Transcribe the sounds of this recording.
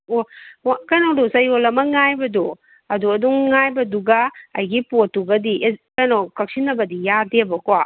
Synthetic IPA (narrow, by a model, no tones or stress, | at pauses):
owkɐjnawdusɐjolɐmɐŋajbɐdu | ɐduɐduŋŋajbɐduɡɐɐ̰jɡipotuɡɐdikɐjnawkɐk̚sinːɐbɐdijadebɐkoa